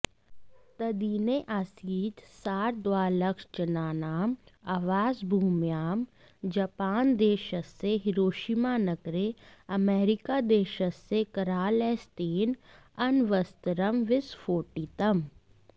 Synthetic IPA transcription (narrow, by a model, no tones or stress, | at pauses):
t̪ɐd̪iːneʔaːsiːt̪saːɾd̪ʋaːləkʃt͡ʃɐnaːnaːmaːʋaːzbʱuːmjaːm | d͡ʒɐpaːnd̪eːʃəsːeɦɪɾoːʃimaːnɐɡɾeɐmeːɾɪkaːd̪eːʃəsːekɐɾaːleːst̪eːn | ɐnʋəst̪əɾəmʋɪsfʰoːʈiːt̪ɐm